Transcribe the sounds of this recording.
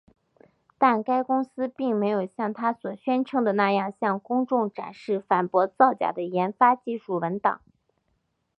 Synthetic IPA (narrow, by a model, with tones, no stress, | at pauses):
t̪a˥˩nka˥ɪkʊ˥ŋsɹ̩˥pi˥˩ŋme˧˥ɪjo˨˩ʊɕjɑ˥˩ŋt̪ʰa˥swɔ˨˩ɕɥɛ˥nʈ͡ʂʰɤ˥ŋd̪ə˨na˥˧jɑ˥˧ŋɕjɑ˥˩ŋkʊ˥ŋʈ͡ʂʊ˥˩ŋʈ͡ʂa̰˨˩nʂɻ̩˥˩fa˨˩npwɔ˧˥t͡sɑ˥˩ʊt͡ɕja̰˨˩d̪ə˦jɛ˧˥nfa˥t͡ɕi˥˧ʂu˥˩wə˧˥nt̪ɑ̰˨˩˦ŋ